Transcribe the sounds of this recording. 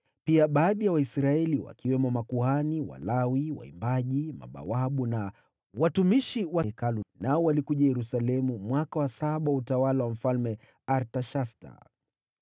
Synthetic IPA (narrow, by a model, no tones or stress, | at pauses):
piaɓaːɗijawaisɾaɛliwa̰kiwɛmɔmakuaniwa̰lawiwa̰ḭmbaʄima̰ɓa̰waɓuna | watumiʃiwaɛkalunaɔwalikuʄajɛɾusalɛmumwakawasaɓawautawalawam̩falmɛ | aɾtaʃasta̰